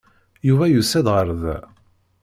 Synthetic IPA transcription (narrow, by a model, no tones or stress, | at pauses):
juvæjusæðʁəɾð